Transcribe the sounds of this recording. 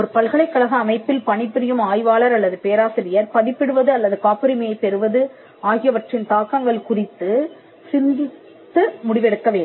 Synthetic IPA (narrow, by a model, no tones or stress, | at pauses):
ɔɾɯpɐɭɣɐɭɐɪkːɐɭɐɣɐːmɐɪpːɪlpɐɳɪpːɪɾɪjɯmaːjʋaːlɐɾɐlːɐðɯpeːɐɾaːsɪɾɪjɐɾpɐðɪpːɪɽɯʋɐðɯɐlːɐðɯkaːpɪɾɪmɐjɐɪpːɛɾɯʋɐðɯ | aːɣɪjɐʋɐʈrɪnt̪aːkːaːŋɡɐɭkʊrɪt̪ːɯ | sɪnd̪ɪtt̪t̪ːɯmʊɽɪʋɛɽɯkːɐʋeːɳɯm